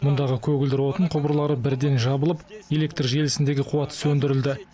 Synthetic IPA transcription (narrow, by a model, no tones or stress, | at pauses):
mʊnd̪ɑʁəkʲʰɵɡʲɪld̪ɪɾwo̞t̪əɴqʰʊbɾlˠɑɾəbɪɾd̪e̞nʒɑbəlˠəpje̞lʲe̞kt̪rʒe̞lɪsɪnd̪e̞ɡʲɪqʰuwɑt̪ə̥sɵnd̪ɪɾɪld̪ɪ